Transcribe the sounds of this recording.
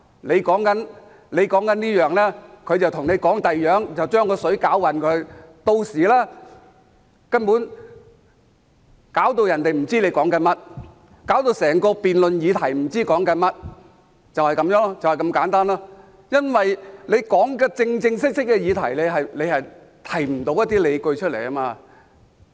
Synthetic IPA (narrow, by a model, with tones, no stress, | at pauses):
ne˨˧jkɔː˨˥ŋkɐ˨˥n | le˨˧jkɔː˨˥ŋkɐ˨˥niː˥jœː˨ŋlɛː˥kʰɵ˨˧ɥt͡sɐ˨wt̪ʰʊ˨˩ŋne˨˧jkɔː˨˥ŋt̪ɐ˨jjœː˨˥ŋt͡sɐ˨wt͡ʃœː˥ŋkɔː˧sɵ˨˥ɥkaː˨˥wwɐ˨˩nkʰɵ˨˧ɥt̪o˧wsiː˨˩lɛː˥ | kɐ˥npuː˨˥n | kaː˨˥wt̪o˧wjɐ˨˩nt̪e˨jm̩˨˩t͡siː˥le˨˧jkɔː˨˥ŋkɐ˧˥nmɐ˥t̚ | kaː˨˥wt̪o˧wsɛː˨˩ŋkɔː˧piː˨nlɵ˨njiː˨˧t̪ʰɐ˨˩jm̩˨˩t͡siː˥kɔː˨˥ŋkɐ˧nmɐ˥t̚ | t͡sɐ˨whɐ˨˩jkɐ˨˥mjœː˨˥ŋɔ˥t͡sɐ˨whɐ˨jkɐ˧mkaː˨˥nt̪aː˥nlɔː˥ | jɐ˥nwɐ˨jle˨˧jkɔː˨˥ŋkɛː˧t͡sɪ˧ŋt͡sɪ˧ŋsɪ˥k̚sɪ˥k̚kːɛ˧jiː˨˧t̪ʰɐ̰˨˩jle˨˧jɦɐ˨jle˨˧hɐ˨j | t̪ʰɐ˨˩jm̩˨˩t̪o˨˧˥wjɐ˥t̪̬̚iː˥le˨˧jkɵ˧ɥt͡ʃʰɵ˥t̚lḛ˨˩jkɐ˥maː˧